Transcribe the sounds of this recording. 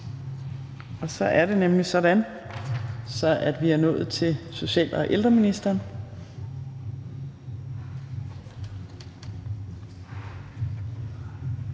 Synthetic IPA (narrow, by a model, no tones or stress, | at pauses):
ɒ̽sɒ̽ʔæɐɾe̝nemlisɒ̽d̥æn | sɒ̽ʔæd̥ʋiæɐnɔ̽ːð̩ˠt͡sʰe̝lso̝ɕɛ̰ːl̰ɒʔeld̥ʁɐminisd̥ɐːn